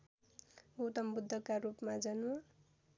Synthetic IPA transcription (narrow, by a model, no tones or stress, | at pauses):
ut̪ʌmbud̪ʱːʌkarupmad͡zʌn